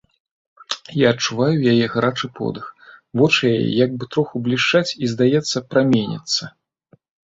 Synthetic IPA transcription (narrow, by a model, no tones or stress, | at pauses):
jaɐt͡ʂuvajujajɛɣɾat͡ʂɨpʰɔ̰d̪ɨxvɔt͡ʂɨjajɛ̰jaɡ̚bɨt̪ɾɔxublʲiʂt͡ʂat͡sʲizd̪ajɛt̪sːɐpɾamʲenʲḭt̪sːɐ